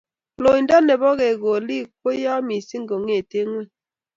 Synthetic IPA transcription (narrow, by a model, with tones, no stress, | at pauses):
lo˨i˨nda˦nɛ˨βɔ˦ɣe˨ɣo˨li˦˨k̚po˦ja˦mi˨si˦ŋɡo˨ŋe˨te˦ŋwe˦